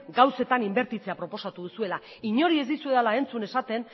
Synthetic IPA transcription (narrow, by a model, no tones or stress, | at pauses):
ɡawse̞t̪animbe̞ɾt̪it͡se̞apɾo̞po̞sat̪uð̞usue̞la | iɲo̞ɾie̞zd̪isue̞ðalae̞nt͡sune̞sat̪e̞n